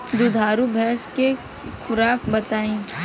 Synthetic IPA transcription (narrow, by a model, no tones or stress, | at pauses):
d̪ʊd̪ʱaːɾubʱɛːske | kʰʊɾaːkbɐt̪aːĩː